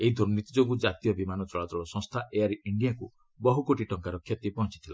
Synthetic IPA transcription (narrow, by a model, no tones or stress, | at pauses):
eɦid̪ʱoɾnit̪id͡ʒoɡud͡ʒat̪ijɔbimanɔt͡ʃɔɭat̪ɔɭɔsɔ̃ŋst̪ʰaʔeaɾiiɳɖijakṵ | bɔɦukoʈiʈɔŋkaɾɔkʰjɔt̪ipɔɦɔ̃nt͡ʃit̪ʰila̰